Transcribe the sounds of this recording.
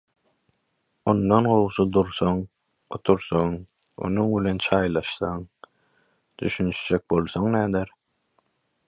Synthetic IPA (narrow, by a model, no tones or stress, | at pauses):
ond̪onɢowʃud̪uɾθoŋ | ot̪ʰuɾθoŋ | o̞̰nuŋbilent͡ʃʰɑːjlˠɑʃθɑŋ | d̪yʃynt͡ʃʰd͡ʒek̚bo̞lˠθoŋnæːd̪eɾ